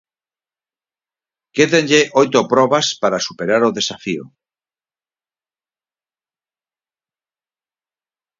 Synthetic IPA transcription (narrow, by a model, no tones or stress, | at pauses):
keðenʎeʔojt̪opɾɔβaspaɾasupeɾaɾoðesafio̰